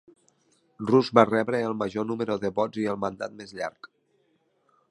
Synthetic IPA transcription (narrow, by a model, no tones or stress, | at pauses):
rruzβarɛβɾəːlˠməʒonuməɾuðəβɔziəlˠmənd̪a̰t̪̚mezʎa̰ɾk